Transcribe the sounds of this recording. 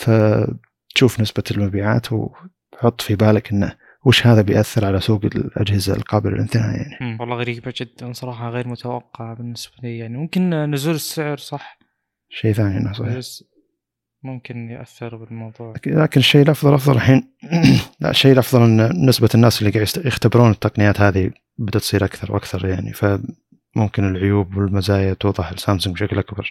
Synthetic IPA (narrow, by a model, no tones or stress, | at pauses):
fa | t̪ʃuːfnɪsbalmabiːʕa̰ːt̪w | bħʊt̪ˤːfibaːlakʔɪnːa | wɪʃhaːðabɪjʔaθːɪɾʕalasuːɡɪlʔa̰d͡ʒhɪza̰lqɑːbɪlʔa̰lʔɪ̰nθɪha̰ːja̰ʕniwɑlːɑɣaɾiːbad͡ʒɪd̪ːansˤɑɾˤɑːħɑɣeːɾmʊt̪ʰawɑqːɑʕabɪnːɪsbalijaʕnimʊmkɪnnʊzuːlɪsːɪʕɾsˤɑħ | ʃːeːθaːniʔa̰nːasˤɑiː | mʊmkɪnjʔa̰θːɪɾbɪlmɑwðˤuːʕlaːkɪnɪʃːejːlʔɑfðˤɑlʔɑfðˤɑlʔaħiːn | la̰ʔʃːejːlʔɑfðˤɑlnnːɪsbanːaːsɪlːiɡaːʕjjɪxt̪abɾuːnɪt̪ːɑqnɪjaːt̪haːði | bɪd̪ːat̪sˤiːɾʔakθɑɾˤwʔa̰kθɑɾˤjaʕnḭfa | mʊmkɪnɪlʕʊjuːbwɪlmazaːjat̪uːðˤɑħɪlsaːmsʊŋɡbʃaklʔakbɑɾˤ